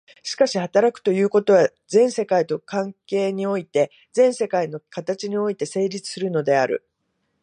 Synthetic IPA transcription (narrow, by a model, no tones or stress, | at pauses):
ɕi̥kaɕihat̪aɾakɯ̟̥t̪o̞jɯ̟ːko̞t̪o̞βa | zẽ̞ɰ̃se̞kait̪o̞kãŋke̞ːɲ̟io̞it̪e̞ | d͡zẽ̞ɰ̃se̞kaino̞kat̪at͡ɕiɲ̟io̞it̪e̞se̞ːɾʲit͡sɨ̥sɨɾɯ̟no̞d̪e̞aɾɯ̟̰